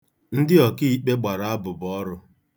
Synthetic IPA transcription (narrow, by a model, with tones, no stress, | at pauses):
n̩˦dɪ˦ɔ˨ki˦i˦k͡pe˦ɡ͡ba˨ɾa˨a˦bʊ˨bɔ˦ɾʊ˦